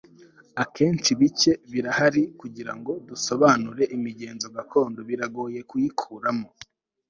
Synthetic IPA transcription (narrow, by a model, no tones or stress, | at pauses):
akʰe̞ːnt͡ʃiβice̞βiɾahaɾikuɟiɾa̰ŋɡo̞duso̞βanuɾe̞ʔimiɟe̞ːnzoɡako̞ːndo̞βiɾaɡo̞ːje̞kujikʰuːɾamo